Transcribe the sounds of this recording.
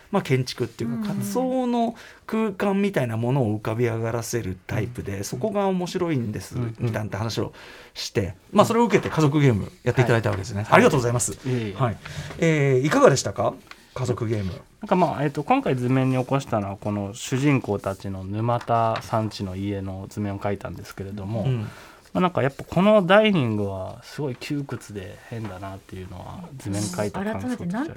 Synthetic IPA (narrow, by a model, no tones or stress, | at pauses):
makẽ̞ɲ̟t͡ɕi̥kɯ̟t̪ːejɯ̟kakʰaso̞ːno̞kɯ̟ːkãmːʲit̪ainamo̞no̞ːɯ̟kabʲiaɡaɾase̞ɾɯ̟t̪aipɯ̟d̪e̞so̞ko̞ɡaomo̞ɕiɾo̞ĩnd̪e̞sɨmʲit̪ãnt̪ːeɦanaɕio̞̰ | ɕi̥t̪e̞maːso̞ɾe̞o̞ɯ̟k̬e̞t̪e̞kazo̞k̬ɯ̟ɡe̞ːmɯ̟̰jʔat̪eit̪ad̪ait̪aβaked̪esɨneaɾʲiɡat̪oːɡozaimasɨhaieːikaɡad̪e̞ɕi̥t̪aka | kazo̞kɯ̟ɡʲe̞ːmɯ̟̰ãŋkamaːʔet̪ːo̞kõŋkaid͡zɨmẽ̞ɲ̟ːio̞ko̞ɕi̥t̪anoβako̞no̞ɕɨʑĩŋko̞ːt̪at͡ɕino̞nɯ̟mat̪asãɲ̟t͡ɕino̞ie̞no̞zɨmẽ̞okait̪ã̰nd̪e̞sɨ̥ke̞ɾe̞d̪o̞mõ̞ | manãŋkajapːakʰo̞no̞d̪aiɲ̟ĩŋɡɯ̟βasɨɡo̞ikʲɨːkɯ̟t͡sɨd̪e̞hẽ̞nd̪anat̪ːe̞jɯ̟no̞̰βa̰d͡zɨmẽ̞ŋkait̪akɾãŋkoo̰